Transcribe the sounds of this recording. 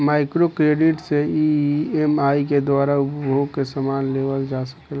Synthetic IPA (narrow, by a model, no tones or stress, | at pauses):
maːɪkɾokɾeːɖɪʈseiemaːik̬ed̪waːɾaʊpbʱoːɡ̚kesəmaːnleːʋəld͡ʒaːsə̥kl